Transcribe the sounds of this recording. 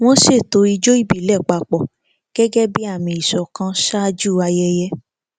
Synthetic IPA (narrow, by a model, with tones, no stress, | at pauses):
w̃ɔ̃˦ʃe˦˨to˨˧i˧d͡ʒo˦i˦bi˦˨lɛ˦˨k͡pa˧˨k͡pɔ˨ | ɡ̥ɛ˦ɡɛ˦bi˦a˦˨mĩ˨˧i˨ʃɔ˨kã˧˦ʃa˦d͡ʒu˦˨a˧jɛ˧jɛ˦